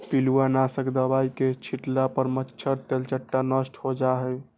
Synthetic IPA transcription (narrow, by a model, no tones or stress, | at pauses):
piluanasəkd̪əbajket͡ʃʰiʈlapəɾmətːʃʰəɾt̪elt͡ʃəʈːanəsʈhod͡ʒaɦɛj